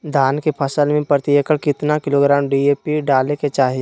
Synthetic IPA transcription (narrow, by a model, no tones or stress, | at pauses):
d̪ʱaːnkepʰəsəlmẽpɾət̪ijəkəɽkɪt̪nakɪloɡɾaːmɖieːpiɖaːleket͡ʃaːɦe